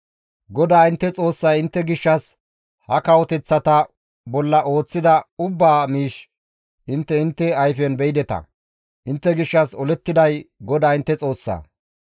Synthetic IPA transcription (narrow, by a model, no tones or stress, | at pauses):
ɡɔd̪aːɪnt̪ːɛt͡sʼo̞ːsːɐjɪnt̪ːɛɡɪʃːɐs | hɐkɐwɔt̪ɛt͡sːɐt̪ɐ | bɔlːɐʔo̞ːt͡sːɪd̪ɐʊbːaːmiːʃ | ʔɪnt̪ːɛɪnt̪ːɛɐjfɛnbɛɪd̪ɛt̪ɐ̰ | ʔɪnt̪ːɛɡɪʃːɐsɔlɛt̪ːɪd̪ɐjɡɔd̪aːɪnt̪ːɛt͡sʼo̞ːsːɐ̰ː